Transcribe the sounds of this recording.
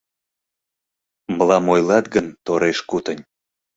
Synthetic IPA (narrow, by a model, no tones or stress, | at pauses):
məlɑmojlɑt̪ɡənt̪oɾeʃkut̪ənʲ